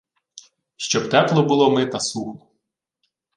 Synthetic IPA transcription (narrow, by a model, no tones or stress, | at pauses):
ʃt͡ʃɔbt̪ɛplˠɔbʊlˠɔmɪt̪ɐsuxlˠɔ